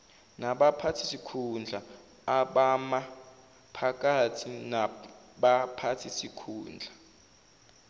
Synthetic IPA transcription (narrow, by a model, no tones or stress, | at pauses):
naɓapʰatʰi̥sikʰund͡ɮʱa | aɓama | pʰak̬ʼatʰina | ɓapʰatʰisikʰuːnd͡ɮʱa